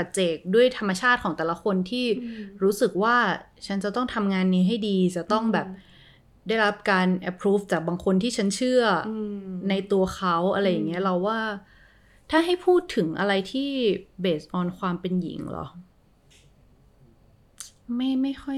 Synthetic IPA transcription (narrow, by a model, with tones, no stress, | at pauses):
pa˨˩t̪̚t͡ɕe˨˩k̚du˥˩əjt̪ʰa˧mːa˧t͡ɕʰaː˥˩t̪̚kʰɔː˩˦ŋt̪ɛː˨˩la˦˥kʰo˧nt̪ʰiː˥˩ɾuː˦˥sɯ˨˩k̚waː˥˩ | t͡ɕʰa˦˥nt͡ɕa˨˩t̪ɔ˥˩ŋt̪ʰa˧mŋaː˧nːiː˧˥ɦa˥˩jdiː˧t͡ɕa˨˩t̪ɔ˥˩ŋbɛː˨˩p̚ | daː˥˩jɾa˦˥p̚kaː˧nʔɛ˧˥pʰɾu˦˥ft͡ɕaː˨˩k̚baː˧ŋkʰo˧nt̪ʰiː˥˩t͡ɕʰa˦˥nt͡ɕʰɯ˥˩ɐna˧jt̪u˧ɐxʰa˦˥wʔa˧ɾa˧jːa˨˩ŋːi˦˥ɐɾa˧wːaː˥˩ | t̪ʰaː˥˩ɦa˥˩jpʰuː˥˩t̪ʰːɯ˩˦ŋʔa̰˧ɾa˧jt̪ʰiː˥˩beː˨˩sʔɔː˧nkʰwaː˧mpe˧njḭ˨˩˦ŋlɔ̰˨˦ | ma˥˩jma˥˩jxʰɔ˥˩j